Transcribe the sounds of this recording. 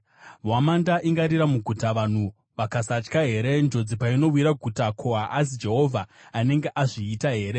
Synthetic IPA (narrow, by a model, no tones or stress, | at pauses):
mwamandaʔiŋɡaɾiɾamuɡʱutaʋan̤u | ʋakasat͡ʃkaɦe̞ːɾe̞nd͡ʒo̞d͡zipaino̞wiɾaɡʱutakʰoɦaʔas̬id͡ʒe̞ɦo̞vʱaːne̞ŋɡeʔaʐiːtaɦe̞ːɾe̞